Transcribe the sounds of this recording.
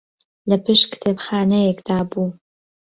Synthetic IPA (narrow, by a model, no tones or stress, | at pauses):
lɐpɨʃkɨ̥t̪ʰeːbxaːnɛjekd̪aːbuː